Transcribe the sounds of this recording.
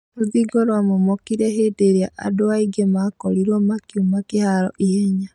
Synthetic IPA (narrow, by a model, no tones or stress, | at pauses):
noðiɡoɾwamomɔkiɾɛɦedeɾjaʔa̰doaiɡemakɔɾiɾɔmakiumakehaɾɔ̰ʔiɛɲa